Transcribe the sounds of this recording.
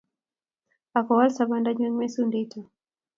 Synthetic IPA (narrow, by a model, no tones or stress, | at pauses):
akɔwalsabandaɲwɛŋmɛsunditɔ